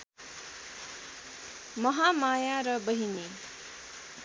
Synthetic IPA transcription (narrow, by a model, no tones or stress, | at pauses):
mʌɦamajaɾʌbʌɦine